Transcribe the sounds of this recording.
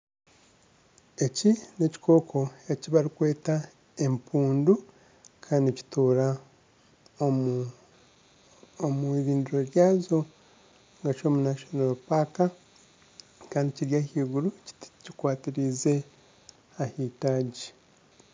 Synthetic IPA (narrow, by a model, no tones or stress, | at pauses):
e̞cine̞ci̥kʰo̞ːkʰo̞e̞ciβaɾikwe̞ːta | e̞mpʰuːndu | kʰaːndici̥tuːɾa | omuiɾiːnduɾo̞ɾjaːzo̞ | ŋɡat͡ʃo̞ːmunaʃonoɾopaːka | kaːndiciɾjahiːɡuɾuccikwaːtiɾize̞ | ahiːtaːɟi